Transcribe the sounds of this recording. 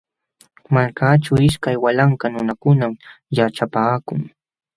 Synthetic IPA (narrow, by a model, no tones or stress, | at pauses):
maɾkaːʈ͡ʂawɪʃkajwalaŋkanʊnakʊnamjaʈ͡ʂapaːkʊŋ